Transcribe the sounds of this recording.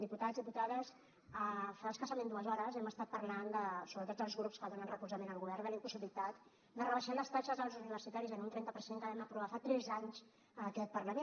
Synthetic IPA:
ðiput̪azðiput̪aðəz | əfaəskəsəmend̪uəzɔɾəzɛməst̪at̪̚pəɾland̪əsoβɾət̪ot̪d̪əlˠzɣɾupskəðonənrəkuzəmenəlɣuβɛrnd̪əlimpusiβilit̪at̪ | d̪ərəβəʃaləst̪aʃəzəlˠzuniβəɾsit̪aɾizənunt̪ɾɛnt̪əpəɾseŋkəβɛməpɾuβafat̪ɾɛzaɲz | əkɛt̪̚pərləme

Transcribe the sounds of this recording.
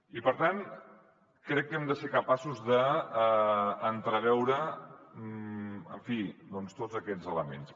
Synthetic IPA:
ipəɾt̪an | kɾɛkːɛmd̪əseɾkəpasuzðə | nt̪ɾəβɛwɾə | ə̰ɱfid̪ɔnst̪od͡zəkɛzələmḛns

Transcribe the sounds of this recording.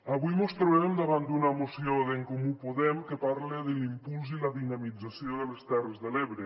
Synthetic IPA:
aβujmost̪ɾoβemd̪aβand̪unamosjoðeŋkomupoðɛmkepaɾleðelimpulzilaðinamid͡zasjoðelest̪ɛrezðeleβɾe

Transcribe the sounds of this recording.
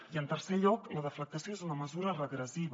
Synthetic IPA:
iənt̪ərseʎɔkləðəflək̚t̪əsjoezunəməzuɾərəɣɾəziβ

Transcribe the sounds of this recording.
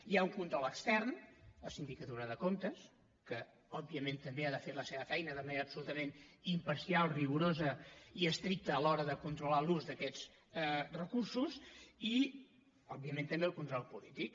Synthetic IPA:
jauŋkunt̪ɾɔlˠəkst̪ɛrnləsind̪ikət̪uɾəðəkont̪əs | kə | ɔbiəment̪əmbeaðəfeɾləseβəfɛjnəðəməneɾəːpsulut̪əmenimpəɾsialˠriɣuɾozəiəst̪ɾik̚t̪əːlɔɾəðəkunt̪ɾulaluzd̪əkɛd͡z | rəkursuzi | ɔbːiəmẽnt̪əmbeəlˠkunt̪ɾɔlˠpulit̪ik

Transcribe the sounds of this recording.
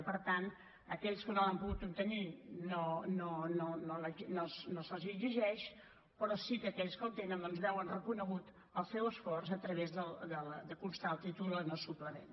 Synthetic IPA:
pəɾt̪an | əkɛʎskənoəmpuɣut̪ub̚t̪əninonononoləinosnosəlˠziɡziʒɛʃ | pəɾɔsikəːkɛʎskəlt̪enənd̪ɔnzβɛwənrəkunəɣut̪ | əlˠsɛwəsfɔrzət̪ɾəβezðəlˠd̪əld̪əkunst̪alˠt̪it̪ulənosupləmḛn

